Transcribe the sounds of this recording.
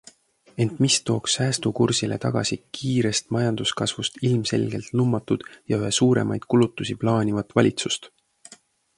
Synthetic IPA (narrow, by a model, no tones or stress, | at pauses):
e̞nt̪mist̪o̞ːksːæːst̪ukursile̞̰t̪ɑɡ̥ɑ̰sikʰiːɾe̞st̪mɑjɑnd̪̥uskɑsvust̪ilmse̞̰lʲɡ̥e̞lt̪numːɑt̪ːˑud̪̥jɑyɦesuːɾe̞̰mʔɑjd̪̥kulut̪ːˑusiplɑːnʲivɑt̪ːˑvɑlʲit̪sust̪